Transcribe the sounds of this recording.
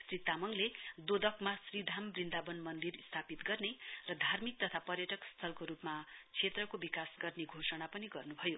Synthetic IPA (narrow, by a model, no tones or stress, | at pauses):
srit̪amʌŋled̪od̪ʌkmasrid̪ʱambrind̪abʌnmʌnd̪irist̪ʰapit̪ɡʌrnerʌd̪ʱarmik̚t̪ʌt̪ʰapʌrjʌʈʌkst̪ʰʌlkoɾupmat͡sʰet̪rʌkobikasɡʌrneɡʱosʌɽ̃apʌniɡʌrnubʱʌjo